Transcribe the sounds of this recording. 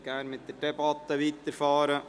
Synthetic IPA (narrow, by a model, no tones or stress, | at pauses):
ɡ̥æːnmɪt̪̚d̪ərdɛbɑt̪ːəʋiːt̪ːəɾfɑːɾə